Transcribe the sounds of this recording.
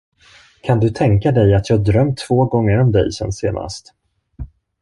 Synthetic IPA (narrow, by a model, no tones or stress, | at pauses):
kʰand̪ɵt̪ʰɛŋkad̪ɛjat̪ʰjɑːd̪ɾœmt̪ʰːv̥oːɡɔŋːəɾɔmd̪ɛ̰jsɛ̰nːsḛːna̰st̪